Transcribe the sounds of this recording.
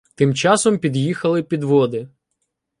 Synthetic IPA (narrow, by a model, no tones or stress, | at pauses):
t̪ɪmt͡ʃɑsɔmpʲid̪jixɐlˠɪpʲid̪ʋɔd̪ɪ